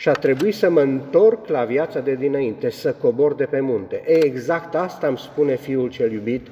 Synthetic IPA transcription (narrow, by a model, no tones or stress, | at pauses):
ʃiat̪ɾe̞buisəməɨnt̪o̞rklavjat̪sad̪e̞d̪inaint̪e̞səko̞bo̞rd̪e̞pe̞munt̪e̞ʔeeɡzakt̪ast̪aːmspune̞fiult͡ʃe̞ljubit̪